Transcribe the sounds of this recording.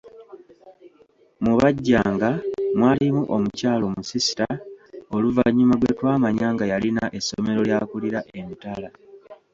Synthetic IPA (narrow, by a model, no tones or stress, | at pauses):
muβaɟːaːŋɡamwaːlimuʔo̞mucaːlo̞musisi̥tao̞luvaɲːumalwetwaːmaɲaːŋɡajalinaʔe̞some̞ɾo̞ljaːkuliɾaʔe̞nitala